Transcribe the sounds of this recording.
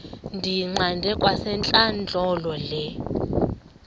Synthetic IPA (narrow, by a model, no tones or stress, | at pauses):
ndʱiŋ͡ǀandʱɛkʼwasɛnt͡ɬʼand͡ɮʱɔlɔlɛ